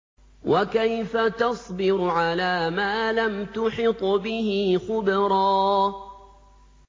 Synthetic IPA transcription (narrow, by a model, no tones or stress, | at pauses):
wʔakajfat̪ɑsˤbɪɾʕalaːmaːlamt̪ʊħɪt̪ˤbɪhɪxʊbɾˤɑː